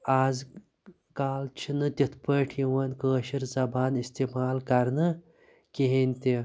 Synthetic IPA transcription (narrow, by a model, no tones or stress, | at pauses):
aːz | kaːlt͡ʃʰinɨt̪ʲit̪ʰpəːʈʰjiwɐnkəːʃiɾzɐbaːnist̪imaːlkɐɾnɨ | kiɦenʲt̪ʲi